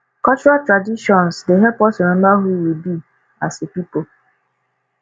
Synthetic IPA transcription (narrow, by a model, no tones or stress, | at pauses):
kɔt͡ʃuɾaltɾadiʃɔ̃nsdeɦɛpɔsimɛ̃m̩baɦuwibi | asepipo